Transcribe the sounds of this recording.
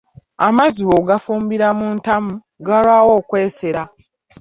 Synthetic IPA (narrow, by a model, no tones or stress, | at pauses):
amaziwoɡafuːmbiɾamuːntamu | ɡalwaːwo̞ːkwe̞ːseɾa